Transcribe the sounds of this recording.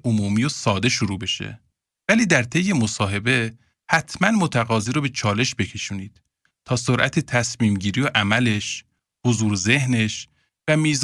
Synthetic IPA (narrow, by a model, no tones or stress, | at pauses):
omuːmiːjosɒːd̪e̞ʃoɾuːbe̞ʃḛ | væliːd̪æɾt̪ʰe̞jːe̞mosɒːɦe̞be̞ | hæt̪ʰmænmot̪ʰæɣɒːziːɾɔbe̞t͡ʃʰɒːle̞ʃbe̞cʰe̞ʃuːniːd̪̥ | t̪ʰɒːsoɾʔæt̪ʰet̪ʰæsmiːmɟiːɾijoʔæmæle̞ʃ | hozuːɾze̞hne̞ʃ | væmiːz